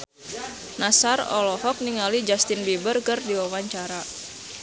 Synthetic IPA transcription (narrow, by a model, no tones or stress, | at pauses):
nasarɔ̰lɔɦɔk̚niŋalid͡ʒast̪ɪnbibərkərdiwawaɲt͡ʃaɾa